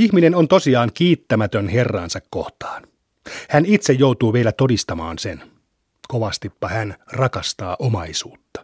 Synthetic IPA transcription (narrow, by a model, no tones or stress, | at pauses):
ihminenont̪o̞siɑːŋkiːt̪ːæmæt̪ønherːɑ̰ːnsɑkko̞̰ht̪ɑ̥ːn | hænit̪sejjowt̪uːʋelæt̪odist̪ɑmɑ̰ːnsen | koʋɑst̪ipːɑhænrɑkɑst̪ɑːʔomɑisuːt̪ːɑ̥